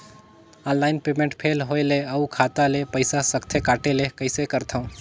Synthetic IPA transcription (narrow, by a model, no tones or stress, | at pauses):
ə̃nlaːɪnpemẽɳʈpʰeːlɦoeleəukʰat̪alepəɪsasəkt̪ʰekaːʈelekəɪsekəɾt̪ʰəũ